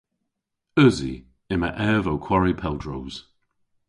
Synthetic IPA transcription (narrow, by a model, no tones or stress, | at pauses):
œzḭ | ɪməʔɛːvowkʰw̥aɹipʰɛlˠdɹowz̥